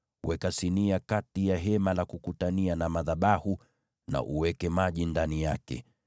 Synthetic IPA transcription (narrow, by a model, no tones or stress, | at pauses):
wʔɛkasiniakatijaɦɛmalakukutanianamaðaɓahu | na̰ʔuwɛkɛmaʄindanijakɛ̰